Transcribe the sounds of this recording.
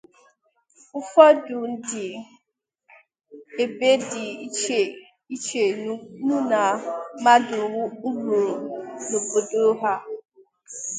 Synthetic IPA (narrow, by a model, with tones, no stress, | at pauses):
ʊ˦fɔ˦dʊ˨n̩˦dɪ˨ | e˨be˦dɪ˨i˦t͡ʃe˨ | i˦t͡ʃe˨˦nu˦na˨ma˦dʊ˨˦ɡu˨ɾnʊ˨bo˨do˦ɦa˦